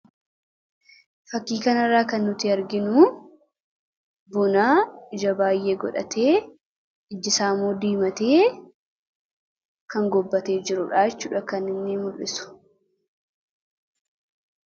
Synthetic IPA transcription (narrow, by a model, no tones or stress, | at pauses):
fɐkːiːkɐnɐrːaːkɐnːʊt̪ɪɐɾɡɪnuː | bʊnaːɪd͡ʒɐbaːjːeːɡɔ̰ᶑɐ̰t̪ʰe̞ː | ɪd͡ʒːɪsaːmuːd̪iːmɐt̪eː | kɐŋɡɔbːɐt̪e̞ːd͡ʒɪɾʊᶑaːjɛt͡ʃːuːᶑɐkɐnːɪnːeːmʊlʔɪsʊ̥